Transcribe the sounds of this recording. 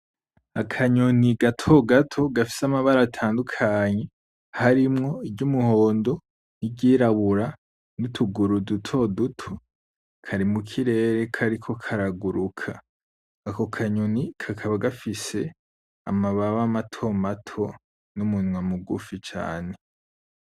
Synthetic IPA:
akʰaɲoniɡatʰo̞ɡatʰo̞ɡafi̥samaβaɾatʰaːndukʰaːɲe̞ | haɾimŋo̞iɡɟumuho̞ːndo̞ | nibɟiːɾaβuɾa | nitʰuɡuɾudutʰo̞dutʰo | kʰaɾimukʰiɾe̞ːɾe̞kʰaɾikʰo̞kʰaɾaɡuɾukʰaː | ko̞kʰaɲonikʰakʰaβaɡafise̞ | a̰maβaβamatʰo̞matʰo̞ | numunwamuɡṵfit͡ʃa̰ːne̞

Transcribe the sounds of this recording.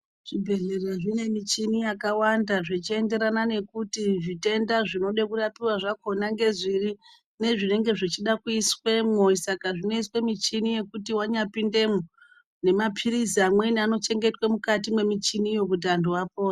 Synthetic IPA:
ʐ̥ibʱe̞ɮe̞reʐine̞mit͡ʃinijakawandaʐit͡ʃie̞nde̞ɾanane̞kutiʐite̞ndaʐino̞ɗekurapiwaʐako̞naŋɡe̞ziri | ne̞ʐine̞ŋɡe̞ʐit͡ʃiɗakuiswe̞moisakaʐino̞iswe̞mit͡ʃinije̞kutiwaɲapinde̞mo | ne̞mapʰiɾiziamwe̞niano̞t͡ʃe̞ŋɡe̞twe̞mukatimwe̞mit͡ʃinijo̞k̬ut̬anduapoːna

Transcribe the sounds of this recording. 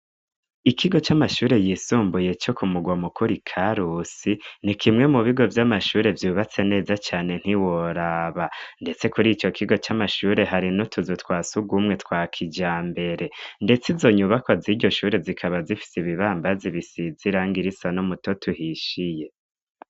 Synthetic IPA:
ikʰiɡo̞t͡ʃamaʃuːɾe̞jiːsuːmbuje̞t͡ʃo̞kumuɡwamukʰuɾikʰaɾusinikʰimŋe̞muβiɡo̞vjamaʃuːɾe̞vjuːβat͡se̞ne̞ːzat͡ʃaːne̞n̥hiwoɾaːβande̞t͡se̞kuɾit͡ʃo̞kʰiɡo̞t͡ʃamaʃuːɾe̞ɦaɾinutʰuzutkwaːsuɡumŋe̞tkwaːkʰid͡ʒaːmbe̞ɾe̞nde̞t͡sizo̞ɲuβakoziɾɟo̞ʃuːɾe̞vzikʰaβazifi̥siβiβaːmbaziβisiziɾaːŋɡiɾisanomuto̞tʰuhiʃije̞

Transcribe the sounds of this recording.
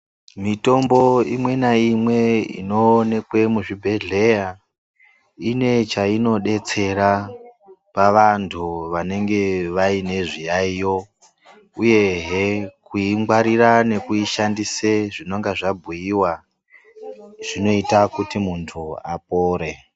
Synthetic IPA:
mito̞mbo̞imwe̞naimwe̞ḭno̞ne̞kwe̞muʐibʱe̞ɮe̞ja | ine̞t͡ʃaino̞ɗe̞t͡se̞ɾa | paʋantʰuʋane̞ŋɡe̞ʋaine̞ʐijaijo̞ | uje̞ɦekuiŋɡwaɾirane̞kuiʃandiseʐino̞ŋɡaʐabʱujiwa | ʐ̥ino̞itakutimuntʰua̰p̚oːɾe̞

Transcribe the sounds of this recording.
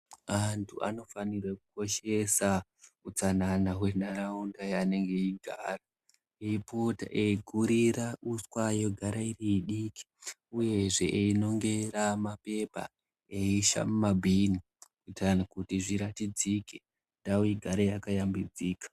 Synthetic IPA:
antʰua̰no̞fanirwakuko̞ʃe̞sa | ut͡sananaɦwe̞naɾaundajane̞ŋɡe̞iɡʱaːra | eipota̰ʔeiɡʱuɾiɾauswajo̞ɡʱaɾairiiɗiki̥uje̞ʐe̞ʔino̞ŋɡe̞ɾamape̞pa̰ | eiʃa̰mumabʱini | kuitanakutiʐiɾatid͡zike | ndawiɡʱaɾejakajambid͡ziːkḁ

